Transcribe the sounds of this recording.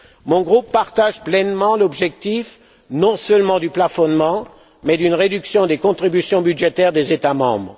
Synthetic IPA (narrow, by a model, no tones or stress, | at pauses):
mɔ̃ɡʁupːaʁt̪aʒplɛnmɑ̃lɔbʒɛk̚t̪if | nɔ̃sœlmɑ̃d̪yplafɔnmɑ̃ | mɛd̪ynʁed̪yksjɔ̃d̪ekɔ̃t̪χibysjɔ̃byd̪ʒet̪ɛʁd̪ezet̪amɑ̰̃bʁ